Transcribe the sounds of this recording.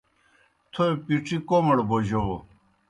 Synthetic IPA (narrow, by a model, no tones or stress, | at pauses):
t̪ʰopiʈ͡ʂʰikoməɽboʑo